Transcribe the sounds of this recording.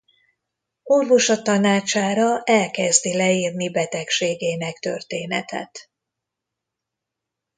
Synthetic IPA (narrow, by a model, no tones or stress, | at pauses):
orvo̞ʃɒt̪ɒnaːt͡ʃaːɾɒʔɛlkɛzd̪ilɛiːrnibɛt̪ɛkʃeːɡeːnɛkt̪ø̰rt̪eːnɛ̰t̪ʰɛ̰t̪